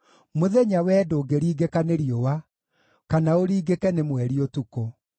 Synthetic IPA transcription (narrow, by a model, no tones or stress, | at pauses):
moðɛɲawɛːdoːɡeɾiːɡekaneɾiowa | kanaoɾiːɡekɛnemwɛɾiotukɔ